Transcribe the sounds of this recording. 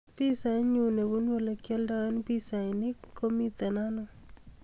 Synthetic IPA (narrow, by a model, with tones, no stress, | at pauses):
pi˦sa˨˦ɲu˨ne˨wu˦nwo˦le˨kjɛ˦lda˦n˦pi˦sa˨nɪ˦ko˦mi˦t̪ɛ˨na˦nɔ˦